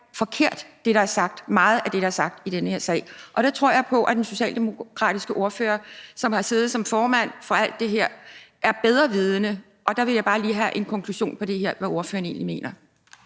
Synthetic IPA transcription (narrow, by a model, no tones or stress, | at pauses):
fɒ̽kʰe̝ɐ̰d̥d̥e̝ɾ̥ɑ̈æɐsɑ̈ɡ̥̚d̥mɑ̈ːð̞̩ˠæd̥e̝ɾ̥ɑ̈æɐsɑ̈ɡ̥̚d̥id̥enəheɐsɛ̰ɪʔɒ̽ɾ̥ɑt͡sʰʁo̝ɐ̰jɑ̈ɪpʰɒ̽ʔæd̥enso̝ɕɛ̰ːld̥emo̝kʰʁɑ̈ːd̥isɡ̥əʔo̝ɐfø̰ːɐsɒ̽mhɑ̈se̝ːð̩ˠsɒ̽mfɒːmæn̰fɒ̽æl̰d̥ːe̝ɦe̝ɐ̰æɐb̥eð̞ˠʁɐʋiːð̞ˠənə | ʔɒ̽d̥ɑ̈ʋe̝ljɑ̈ɪb̥ɑ̈ːliːɦæʔe̝nkʰɒ̽ŋkʰluɕo̝̰ːnpʰɒ̽d̥e̝ɦeɐ̰ʋæo̝ɐfø̰ːɐne̝ːnlime̝̰ːnɐ